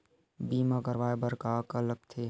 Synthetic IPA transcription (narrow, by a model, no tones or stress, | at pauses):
biːmaːɡəɾʋaːebəɾkaːkɐləɡ̚t̪ʰe